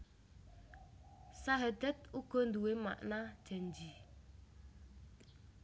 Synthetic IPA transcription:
saɦətɛt̚ukən̩duwema̰ʔnatɛn̩d͡ʒi

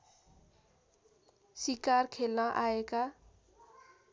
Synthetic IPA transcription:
sikarkʰelnʌʔaeka

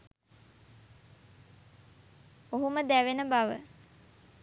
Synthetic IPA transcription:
oɦuməd̪æʋenəbaʋə

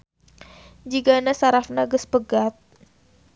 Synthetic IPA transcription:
d͡ʒiɡanasaɾafnaɡəspəɡat̪̚

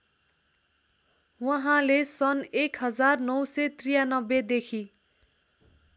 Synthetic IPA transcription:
wʌɦãlesʌnekɦʌd͡zarnʌwsʌt̪rijanʌbːed̪ekʰi

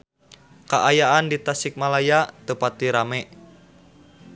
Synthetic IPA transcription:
kaʔajaandit̪asɪk̚malajat̪əpat̪iɾamɛʔ

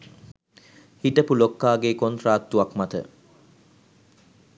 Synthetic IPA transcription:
hiʈəpulokːaːɡekont̪raːt̪ːuakmat̪ə̰

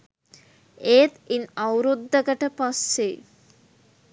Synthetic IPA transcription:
eːt̪inawɾud̪ːəɡəʈəpasːe

